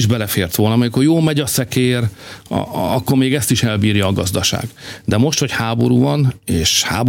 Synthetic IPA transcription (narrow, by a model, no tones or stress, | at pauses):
iʒbɛlɛfeːrt̪ʋo̞lnɒmɛkorjoːmɛɟɒsɛkeːr | ɒkːormeːɡɛst̪iʃɛlbiːrjɒːɡɒzd̪ɒʃa̰ːɡd̪ɛmo̞ʃt̪hochaːbo̞̰ɾuːvɒneːʃha̰ːb